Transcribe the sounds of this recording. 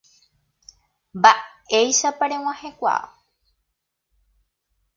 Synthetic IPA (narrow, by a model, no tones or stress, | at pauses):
mbaejʃapaɾẽw̃ãhekʷa̰